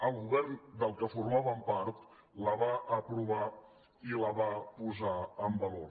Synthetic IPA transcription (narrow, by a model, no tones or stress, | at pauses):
əlˠɣuβɛɾnd̪əlˠkəfuɾmaβəmpaɾt̪ | ləβaʔəpɾuβa | iləβapuzaəmbəloɾ